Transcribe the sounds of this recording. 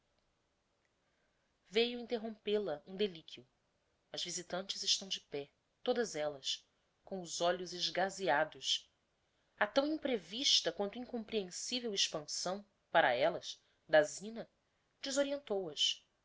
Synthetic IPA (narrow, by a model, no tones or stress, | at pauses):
vejʊĩnt̪eɦõpelɐʔũd̪elikʰiʊ | ɐzvizit̪ɐ̃nt͡ʃɪzɪʃt̪ɐ̃w̃d͡ʒɪpɛ | t̪od̪ɐzɛlɐs | kõw̃ʊzɔʎʊzɪʒɡaziad̪ʊʃ | at̪ɐ̃w̃ĩpɾeviʃt̪ɐkwɐ̃nt̪ʊĩŋkõmpɾiẽsivewiʃpɐ̃sɐ̃w̃ | paɾɐɛlɐʃ | d̪azĩnɐ | d͡ʒɪzoɾiẽnt̪owɐs